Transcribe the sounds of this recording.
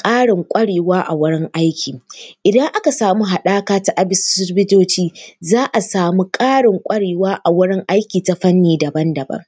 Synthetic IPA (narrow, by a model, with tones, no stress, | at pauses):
kʼaː˦ɽɪ˨ŋkʷʼɐ˦ɽeː˨waː˦ʔa˨wʊ˦ɽɪ˦ŋʔa˦jkʲʰiː˨ʔɪ˨dɐ˦ŋʔa˦ka˨saː˨mu˦ɦa˨ɗaː˦kaː˦ta˦ʔa˦bɪ˦ssʊ˦bɪ˦doː˦t͡ʃiː˦zaː˦ʔa˨saː˨mu˦kʼaː˦ɽɪ˨ŋkʷʼɐ˦ɽeː˨waː˦ʔa˨wʊ˦ɽɪ˦ŋʔa˦jkʲiː˨ta˦ɸɐ˦nːiː˦dɐ˨bɐ˦ndɐ˨bɐ̰˦ŋ